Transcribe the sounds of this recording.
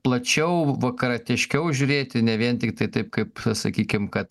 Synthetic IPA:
plˠɐt͡ʃʲɛʊʋɐkɐɾɐt̪ʲɛʃʲkʲɛʊʒʲʊɾʲeːt̪ʲɪnʲɛʋʲiɛnt̪ʲɪkt̪ɐɪt̪ɐɪp̚kɐɪpsɐkʲiːkʲɪmkɐt̪

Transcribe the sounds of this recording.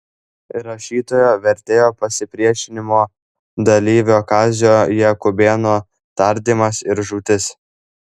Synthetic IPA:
ɾɐʃʲiːt̪oːjoːʋʲɛɾʲt̪ʲeːjoːpɐsʲɪpʲɾʲiɛʃʲɪnʲɪmoː | d̪ɐlʲiːʋʲoːkɑːzʲjoːjɛkʊbʲeːnoː | t̪ɐɾʲd̪ʲiːmɐsɪɾʒuːt̪ʲɪs

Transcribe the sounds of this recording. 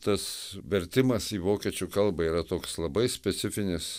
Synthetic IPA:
t̪ɐsʋʲɛɾʲt̪ʲɪmɐsiːʋoːkʲiɛt͡ʃʲukɐlˠbɐiːɾɐt̪oːkslˠɐbɐɪsʲpʲɛt̪sʲɪfʲɪnʲɪs

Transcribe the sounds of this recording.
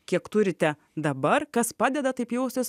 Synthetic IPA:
kʲiɛkt̪ʊɾʲɪt̪ʲɛ | d̪ɐbɐrkɐspɑːd̪ʲɛd̪ɐt̪ɐɪpjɛʊsʲɪs

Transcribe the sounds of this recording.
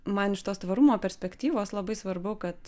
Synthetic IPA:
mɐnɪʃt̪oːst̪ʋɐɾumoːpʲɛɾʲsʲpʲɛkt̪ʲiːʋoːslˠɐbɐɪsʋɐɾbʊʊkɐt̪

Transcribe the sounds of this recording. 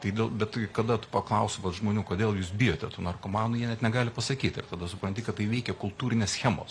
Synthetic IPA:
t̪ɐɪd̪ʲeːlˠbʲɛt̪ʲkɐd̪ɐt̪ʊ̥pɐklˠɐʊsoːʋɐt̪ʒmoːnʲuːkoːd̪ʲeːlˠjuːsbʲɪjoːt̪ʲɛt̪unɐrkomɑːnʊjiɛnʲɛt̪nʲɛɡɑːlʲɪpɐsɐkʲiːt̪ɪ̰rt̪ɐd̪ɐsʊpɾɐntʲɪkɐt̪t̪ːɐɪʋʲɛɪkʲɛkʊlˠt̪uːɾʲɪnʲeːssʲxʲæːmo̰ːs

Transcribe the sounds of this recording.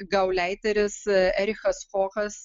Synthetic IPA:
ɡɐʊlʲæɪt̪ʲɐɾʲɪsɛɾʲɪxɐsxoːxɐs

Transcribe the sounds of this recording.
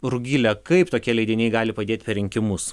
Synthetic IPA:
ɾʊɡʲiːlʲɛkɐɪpt̪oːkʲiɛlʲɛɪd̪ʲɪnʲɛɪɡɑːlʲɪpɐd̪ʲeːt̪ʲpʲɛɾʲɪŋʲkʲɪmʊs

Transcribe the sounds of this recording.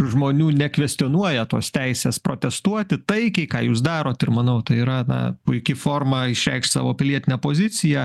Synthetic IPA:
ʒmoːnʲuːnʲɛkʋʲɛsʲt̪ʲɪoːnuɔjɛt̪o̰ːst̪ʲɛɪsʲeːspɾo̰ːt̪ʲɛst̪uɔt̪ʲɪt̪ɐɪkʲɛɪkɑːjuːsd̪ɑːɾoːt̪ɪrmɐnɐʊt̪ɐɪiːɾɐnɐ̰pʊɪkʲɪfoːrmɐɪʃʲɾʲɛ̰ɪkʃt̪sɑ̰ːʋoːpʲɪlʲiɛt̪ʲɪnʲɛpoːzʲɪt͡s̪ʲɪjɛ

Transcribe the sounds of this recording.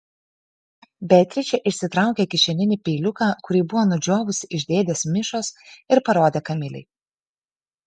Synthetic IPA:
bʲɛt̪ʲɾʲɪt͡ʃʲɛʔɪʃʲsʲɪt̪ɾɑˑʊkʲeːkʲɪʃʲɛlʲɪnʲɪˑpʲɛːlʲʊkaːkʊɾʲiːbʊʋoːnʊd͡ʒʲoːʋʊsʲɪʔɪʒʲd̪ʲeːd̪ʲeːsmʲɪʃoːsɪɾpɐɾoːd̪ʲeːkɐmʲɪlʲɛ̰ɪ

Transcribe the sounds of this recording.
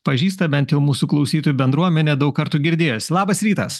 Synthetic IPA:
pɐʒʲiːs̬t̪ɐbʲɛnt̪jɛʊmuːsuklˠɐʊsʲiːt̪oːjubʲɛnd̪ɾuɔmʲɛnʲeːd̪ɐʊkkɐɾt̪uːɡʲɪɾʲd̪ʲeːjoslˠɑːbɐsɾʲiːt̪ɐs

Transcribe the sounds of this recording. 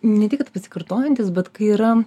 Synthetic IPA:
nʲɛt̪ʲɪkɐt̪pɐsʲɪ̥kɐrt̪oːjɛnʲt̪ʲɪsbʲɛt̪kɐɪiːɾɐ

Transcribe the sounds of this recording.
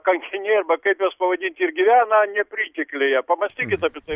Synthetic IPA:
kɐŋʲkʲɪnʲerbɐkɐpʲjospɐʋɐd̪ʲinʲt̪ʲirɡʲɪʋʲananʲɛpɾʲitʲɪklʲɪjapɐmɐsʲtʲikʲɪt̪ɐpʲɪt̪ɐ

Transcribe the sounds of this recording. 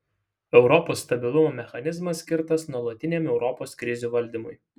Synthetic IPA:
ɛʊɾɔpoːst̪ɐbʲɪlˠʊmoːmʲɛxɐnʲɪzmɐskʲɪɾt̪ɐsnuɔlˠɐt̪ʲɪnʲemɛʊɾɔpoːskɾʲɪzʲuːʋɐlʲˑd̪ʲimʊj

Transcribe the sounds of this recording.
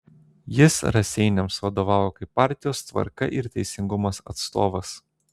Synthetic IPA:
jɪsɾɐsʲɛɪnʲɛmsʋɐd̪oːʋɑːʋoːkɐɪpːɑˑɾʲt̪ʲɪjoːst̪ʋɐ̰ɾkɐʔɪɾt̪ʲɛɪsʲɪŋɡʊmɐsɐ̰t̪st̪oːʋɐs

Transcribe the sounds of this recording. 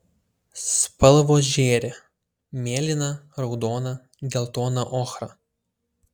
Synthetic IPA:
spɐlˠʋoːʒʲeːɾʲe | mʲeːlʲɪnɐɾɒʊd̪oːnɐ | ɡʲɛlˠt̪oːnɐʔɔːxɾɐ

